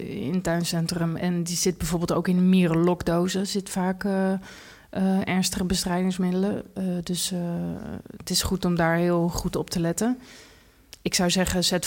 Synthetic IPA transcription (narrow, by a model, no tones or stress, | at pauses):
ɪ̰ntœɥnsɛntrəmɛndiz̥ɪd̚bɛjvoːɹbɪːlˠto̰wkɪnəmiːrəlɔkdowzəzɪtə̥faːk | ʔəɛɹnstəχəbəstrɛjdɪŋsmɪdələdɵs | tɪsχutɔmdaːɹɦɪːlˠχutɔp̚təlɛtə | ɪksawzɛχəzɛt